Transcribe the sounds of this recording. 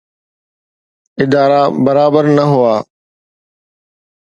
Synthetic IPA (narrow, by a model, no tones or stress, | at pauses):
ɪd̪aːɾabɐɾaːbəɾnɐɦʊaː